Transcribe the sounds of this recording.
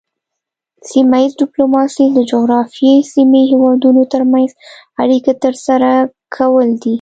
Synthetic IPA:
simaizɖɪplomɑsid̪əd͡ʒoɣɾɑfjesimihewɑd̪unot̪əɾmanz | aɽiket̪əɾsaɾakʰawəld̪i

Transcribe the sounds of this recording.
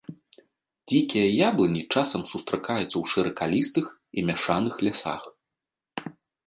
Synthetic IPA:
d͡zʲikʲijɐjablˠɐnʲit͡ʂasɐmsust̪ɾakajut̪sːɐwʂɨɾɐkalʲist̪ɨx | imʲaʂanɨxlʲasa̰x

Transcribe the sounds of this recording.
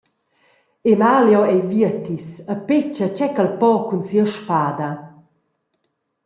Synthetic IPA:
emaljɔɛjviət̪isəpet͡ɕət͡ɕɛkalpɔkunsiəʃpaːd̪ɐ

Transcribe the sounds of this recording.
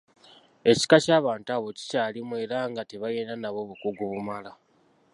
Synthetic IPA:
e̞ci̥kacaːβaːntuaːβo̞ci̥caːlimwe̞ːɾaŋɡate̞βaje̞ːndanaβo̞βukuɡuβumala

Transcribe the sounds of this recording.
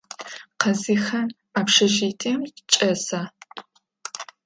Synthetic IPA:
qɐziːxɐn | aːpʂɐʒiːtʰiːmt͡ʃʼɐsaː

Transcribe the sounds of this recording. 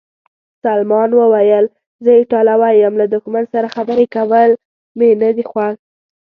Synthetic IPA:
salmɑnwəwajəl | zəɪʈɑlawajəmlad̪ʊxmansaɾaxabəɾekawəl | menad̪ixwaɣ

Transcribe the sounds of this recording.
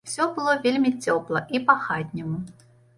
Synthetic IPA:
fsʲobɨlˠovʲelʲmʲit͡sʲoplˠəʔipaxatʲnʲɪmə

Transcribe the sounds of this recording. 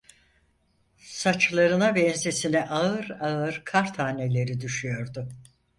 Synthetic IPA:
sat͡ʃlˠaɾɯnabɛnzesinɛʔaɯɾaɯɾkʰaɾt̪ʰaːne̞lʲe̞ɾid̪yʃyjo̞ɾd̪ʊ

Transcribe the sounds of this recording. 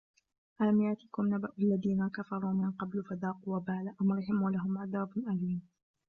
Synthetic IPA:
ʔalamjaʕt̪ɪkʊmnabaʔalːaðiːnakafɑɾˤuːmɪnqɑblfad̪aːquwabaːlaʔhʊmɾˤħɪmuːlaɦʊmʕaðaːbnʔaliːm

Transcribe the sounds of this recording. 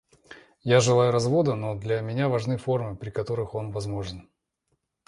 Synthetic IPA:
jaʐɨlˠajʊɾɐzvo̞d̪əno̞d̪lʲɐmʲɪnʲavɐʐnɨfo̞rmɨpɾʲɪkɐt̪o̞ɾɨxo̞nvɐzmo̞ʐɨn

